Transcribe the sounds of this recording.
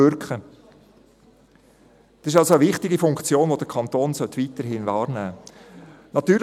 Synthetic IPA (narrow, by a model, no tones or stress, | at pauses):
ʏɾkχə | d̥ɑ̥sɪʃ̬ɑlsoəʋɪχtɪɡifʊŋkt͡sjoːnʋod̥əkʰɑnt̪oːnsœtːʋiːtəɾɦɪnvɑːɾnæː | nɑt̪yːɾl